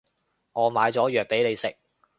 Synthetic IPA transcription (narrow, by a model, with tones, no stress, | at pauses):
ŋɔː˨˧maː˨˧jt͡sɔː˨˥jœː˨k̚pe˨˥jne˨˧jsɪ˨k̚